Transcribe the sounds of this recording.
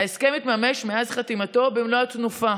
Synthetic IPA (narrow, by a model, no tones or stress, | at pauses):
aeskemit̪mameʃmeazχat̪imato̞bemloatnufa